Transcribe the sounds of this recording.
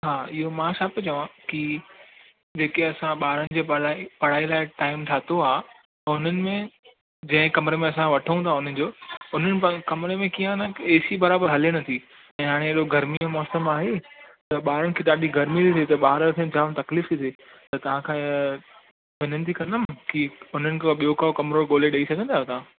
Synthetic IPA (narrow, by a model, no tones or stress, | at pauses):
ɦaːɪɦomãːʃaːpet͡ɕɐʋãki | d͡ʑeːkeɐsãɓaːɾəɽ̃ɪ̆d͡ʑeːpɐɽ̤aːilaːɪʈaːɪmʈ̪ʰaːt̪oaːɦ̪ | ɐʊn̤ənɪ̆mẽ | d͡ʑɐ̃ɦɪ̃kɐmɾemẽɐsãʋɐʈʰəũt̪ʰaʊn̤ənɪ̆d͡ʑoːʊn̤ənɪ̆pkɐmɾemẽkiːə̃nɐeːsibɐɾaːbəɾɦɐliəɽ̃ɐt̪ʰi | ɛ̃ːɦaːɽ̃eeɗoɡɐɾmiɛ̃mɔːsəmaːɦet̪ɐɓaːɾəɽɪ̆kʰeːɗaːɗiɡɐɾmit̪ʰit̪sʰet̪ɐɓaːɦɾək̪ʰẽd͡ʑaːʋ̃t̪ɐkliːft̪ʰit̪ʰe | t̪ɐt̪ɐʋ̤ãkʰãː | ʋɪnənɪ̆t̪ʰikɐ̃nd̪əmkiʊn̤ənɪ̆kʰoɓijokaokɐmɾoɡoːleɗɐisɐɡʱə̃nd̪aːɦot̪ɐãː